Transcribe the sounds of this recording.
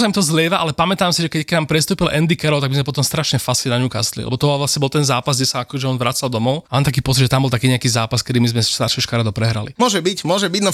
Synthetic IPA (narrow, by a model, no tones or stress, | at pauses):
s̬amimt̪ɔzlʲɛːʋaʔalɛpamɛt̪aːmsiʒɛkɛcknaːmpɾɛst̪uːpilʔɛnd̪ikɛɾɔʊt̪aɡbizmɛpɔt̪ɔmst̪ɾaʃɲɛfasinaɲuka̰st̪lḭlʔɛ̰bɔt̪ɔʋlasɲɛbɔlt̪ɛnzaːpazɡɟɛsaakɔʒɛɔnʋɾat͡sald̪ɔmɔʊamaːt̪akiːpɔt͡sid̪ʒɛt̪ambɔlt̪akiːɲɛakiːzaːpaskɛd̪iːmizmɛʃst̪aɾʃɛʃkaɾad̪ɔpɾɛɦɾa̰lḭmɔʒɛbicmʊɔʒɛbiɟnɔ